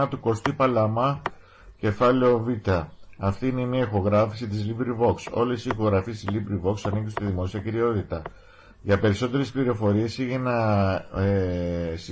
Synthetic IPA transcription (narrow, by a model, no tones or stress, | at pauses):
ɐt̪uko̞st̪ipɐlɐmɐ | ce̞fɐleo̞vit̪ɐːft̪iine̞miɐixo̞ɣɾɐfisit̪izlibɾivo̞kso̞lesixo̞ɣɾɐfist̪izlibɾivo̞ksɐnikist̪iðimo̞siɐciɾio̞t̪it̪ɐ | ʝɐpe̞ɾiso̞t̪e̞ɾe̞spliɾo̞fo̞ɾie̞siʝenɐ | s